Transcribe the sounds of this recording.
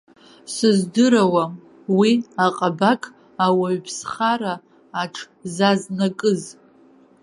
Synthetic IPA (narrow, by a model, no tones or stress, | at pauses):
sɨzdɨɾawa | wiaqʼabakʰʼ | awaɥpʰsχaɾaː | ʈ͡ʂʰ | zaznakʼɨz